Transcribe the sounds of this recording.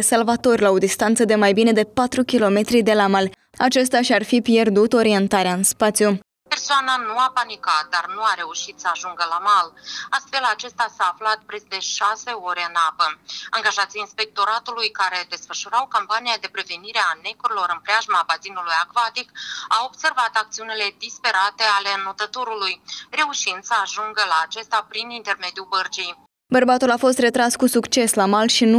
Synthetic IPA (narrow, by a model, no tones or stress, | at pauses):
salvat̪o̞rʲlaod̪ist̪ant̪səd̪e̞majbine̞d̪e̞pat̪ɾukʲilo̞me̞t̪ɾid̪e̞lamalʲ | at͡ʃe̞s̬t̪ʲaʃiarfipje̞rd̪ut̪o̞ɾie̞nt̪aɾeaɨnspat̪siju | pe̞rsoananuapanikat̪̚d̪arnuaɾe̞uʃit̪səaʒuŋɡəlamalast̪fe̞lat͡ʃe̞st̪asaːflat̪̚pɾesd̪e̞ʃase̞o̞ɾʲe̞ɨnapəaŋɡaʒat̪sijinspe̞k̚t̪o̞ɾat̪ulujkaɾe̞d̪e̞sfəʃuɾawkampaniad̪e̞pɾe̞ve̞niɾeane̞koɾilo̞ɾɨnpɾeaʒmaːbazinulujakvat̪ikawo̞bse̞rvat̪ak̚t̪siunile̞d̪ispe̞ɾat̪e̞ale̞not̪ət̪uɾulujre̞uʃind̪̥səaʒuŋɡəlaːt͡ʃe̞st̪apɾinint̪e̞rme̞d̪iubərd͡ʒij | bərbat̪ulafo̞s̬t̪re̞t̪ɾaskusukt͡ʃe̞slamalʃinu